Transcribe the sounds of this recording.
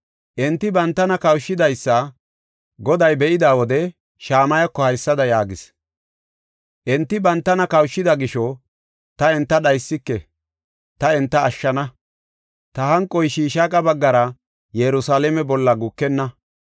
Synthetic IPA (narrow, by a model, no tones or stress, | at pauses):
ʔɛnt̪ːɪbɐnt̪ːɐnɐkɐwʃːɪd̪ɐjsːɐ | ɡɔd̪ɐjbɛʔɪd̪aːwɔd̪ɛ | ʃaːmɐjɐkːɔhɐjsːɐd̪ɐjaːɡɪs | ʔɛnt̪ːɪbɐnt̪ːɐnɐkɐwʃːɪd̪ɐɡɪʃɔ | t̪ɐɛnt̪ːɐɗɐjsːɪkːɛ | t̪ɐɛnt̪ːɐːʃːɐnɐ | t̪ɐhɐŋkʼːɔjʃiːʃakʼɐbɐɡːɐɾɐ | jɛɾʊsaːlɛmɛbɔlːɐɡʊkːɛnːɐ